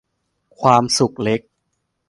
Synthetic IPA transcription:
kʰwaː˧msu˨˩k̚le˦˥k̚

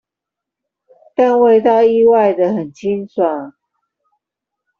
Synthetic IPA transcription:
t̪a˥˧nwe˥˧ɪt̪ɑ˥˧ʊi˥˧wa˥˨ɪd̪ə˨ɦə˨˩nt͡ɕʰi˦nswa˨˩˦

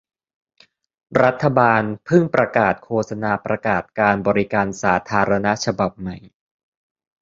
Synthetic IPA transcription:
ɾa˦˥t̪ʰːa˧baː˧npʰɯ˥˩ŋpɾa˧kaː˨˩t̪̚kʰoː˧sa˧naː˧pɾa˧kaː˨˩t̪̚kaː˧nbɔː˧ɾi˦kaː˧nsaː˩˦t̪ʰaː˧ɾa˧na˦˥t͡ɕʰa˧ba˨˩p̚ma˨˩j

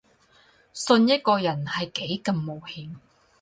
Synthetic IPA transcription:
sɵ˧njɐ˥t̚kɔː˧jɐ˨˩nhɐ˨jke˨˥jkɐ˧mːo˨whiː˨˧m

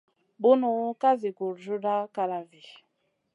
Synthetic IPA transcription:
bu˦nu˨˦ka˦zi˨ɡu˨ɾd͡ʒu˦da˦ka˨ɾa˨vi˨

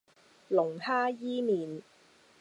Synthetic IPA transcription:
lʊ˨˩ŋhaː˥jiː˥niː˨˩n

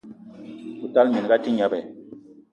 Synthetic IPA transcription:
u˨ta˦lmɛ˨n˨ɡa˦ti˦ɲa˦bɛ˨

